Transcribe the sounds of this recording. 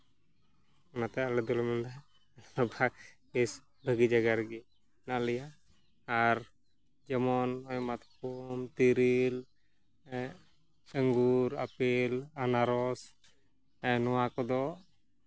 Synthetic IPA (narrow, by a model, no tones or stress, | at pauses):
nat̪ɛalɛd̪ɔlmɛnd̪a | ɔbʱak | is | bʱəɡid͡ʒaɡaɾɡi | nalɛjaː | ɾ | d͡ʒɛmɔnɔjmat̪kɔmt̪iɾil | əŋɡuɾapilanaɾɔs | nɔwakɔd̪ɔʔ